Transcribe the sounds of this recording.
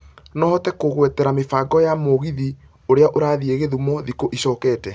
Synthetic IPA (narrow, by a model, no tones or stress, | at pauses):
nɔhɔtɛkoɣwɛtɛɾamefaːɡɔjamoɣiði | oɾeaʔoɾaːðieɣeðumɔðikoʔiɕɔːkɛːtɛ